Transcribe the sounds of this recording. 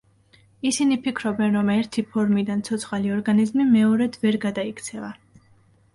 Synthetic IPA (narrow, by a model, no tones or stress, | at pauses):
isinipʰikʰɾɔbɛnɾɔmɛɾt̪ʰipʰɔɾmid̪ant̪sʰɔt̪sʰχaliɔɾɡanizmimɛɔɾɛd̪vɛɾɡad̪aikʰt̪sʰɛva